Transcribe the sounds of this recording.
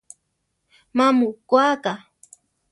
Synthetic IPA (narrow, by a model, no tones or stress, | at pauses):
mamʊkwaːka